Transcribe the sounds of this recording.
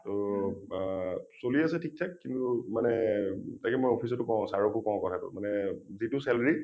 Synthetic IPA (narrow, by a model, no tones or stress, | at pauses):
to | soliasɛtʰik̚tʰakːintʊmanɛtakɛmojopʰis̬ɔtʊkɔw̃saɹɔkukɔ̃ʊ̃kɔtʰatʊ̰manɛzitusɛlaɹi